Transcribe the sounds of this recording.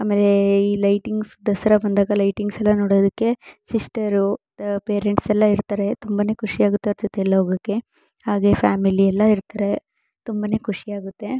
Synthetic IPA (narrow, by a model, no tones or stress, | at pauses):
aːmeːle̞iːlɐjʈiŋɡsd̪ɐsɐɾɐbɐnd̪aːɡɐlɐjʈiŋɡsɛlːɐnoːɽoːd̪ɐkːe̞sisʈɐɾu | peːɾeɳʈsɛlːɐiɾt̪aːɾe̞t̪umbɐne̞ːkʰuʂiaːɡut̪ːeɔɾd͡ʒot̪eɛlːɐɦoːɡɐkːe̞ | haːɡe̞fʰaːmiliɛlːɐiɾt̪aɾe̞ | t̪umbɐne̞ːkʰuʂijaːɡut̪ːe̞